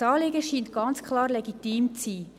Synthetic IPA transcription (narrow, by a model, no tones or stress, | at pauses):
ɑːlɪɡəʃiːnt̚ɡ̥ɑnt͡skʰχlɑːɾleɛɡitiːmt͡siː